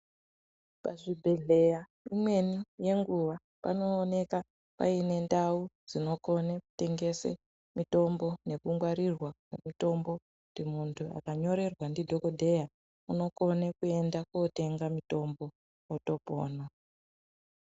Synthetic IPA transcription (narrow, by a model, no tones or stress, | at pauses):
paʐibʱe̞ɮe̞ja | imwe̞nije̞ŋɡuʋa | pa̰no̞ːne̞ka | pa̰ine̞ndaud͡zino̞ko̞neku̥te̞ŋɡe̞sḛ | mito̞mbo̞ne̞kuŋɡwaɾirwakwe̞mito̞mbo̞ | ndimuntʰua̰kaɲo̞ɾe̞rwandidʱokodʱe̞ja | uno̞ko̞nekue̞ndakote̞ŋɡamito̞mbo̞ | oto̞poːna